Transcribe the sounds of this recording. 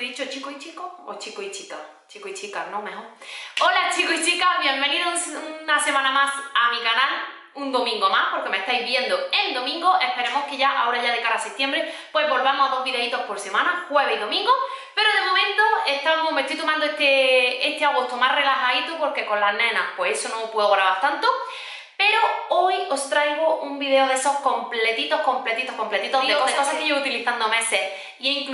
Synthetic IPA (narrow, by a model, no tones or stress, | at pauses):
ðit͡ʃot͡ʃikoit͡ʃikoo̰t͡ʃikoit͡ʃika | t͡ʃikoit͡ʃikanome̞xoɾ | o̞lat͡ʃikoit͡ʃikaβje̞mbe̞niðounase̞mãnamasamikanal | und̪o̞mĩŋɡo̞mahpo̞ɾke̞meht̪ajzβje̞nd̪oe̞nd̪o̞mĩŋɡoʔe̞hpe̞ɾe̞mo̞hke̞ʝaʔao̞ɾaʝaðe̞kaɾaset̪jembɾepwe̞zβo̞lβamosaðo̞ɦβiðeit̪o̞hpo̞ɾse̞mãnaxwe̞βehiðo̞mĩŋɡo | pe̞ɾoðe̞mõ̞mẽnt̪oeht̪anwoβome̞t̪ojt̪omãnd̪oeht̪eest̪eaɣ̞o̞st̪omare̞laxait̪opo̞ɾke̞ko̞nlaɦnẽnahpwe̞esonoːpweðoɣɾaβaɾt̪ant̪o | pe̞ɾoojo̞st̪ɾajɣ̞oumbiðe̞oðeso̞hko̞mple̞t̪it̪o̞hko̞mple̞t̪it̪ohko̞mplet̪it̪oðekoðekosakeeut̪iliθand̪o̞me̞ses | ieiŋk